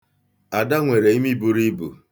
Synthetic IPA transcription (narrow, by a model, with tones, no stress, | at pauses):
a˨da˦ŋʷe˨ɾe˨i˦mi˦bu˦ɾi˦bṵ˨